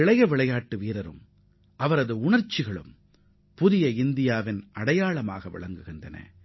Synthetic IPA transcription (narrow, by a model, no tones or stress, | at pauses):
ɪɭɐjɐʋɪɭɐjaːʈːɯʋiːɾɐɾɯ̰m | ʔɐʋɐɾɐðɯʊɳɐɾt͡ʃːɪɣɐɭɯ̰m | pʊðɪjɐɪnd̪ɪjaːʋɪnɐɽɐjaːɭɐma̰ːɣɐʋɪ̰ɭɐŋɡɯɣɪndɐnɐ̰